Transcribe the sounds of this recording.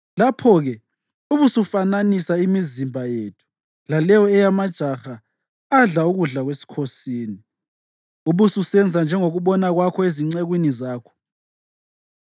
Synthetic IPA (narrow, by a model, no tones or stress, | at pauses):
lapʰɔɣɛ | uβusufananisaimizimbʱajetʰu̥ | lalɛwɔɛjamad̥ʒ̥ʱaxa | aɮauɣuɮaɣwesi̥kʰosiːni | uβususɛnd͡zʱand͡ʒʱɛŋoɣuɓɔnaɣwakʰɔeziŋ͡ǀeɣwinizaːkʰɔ̥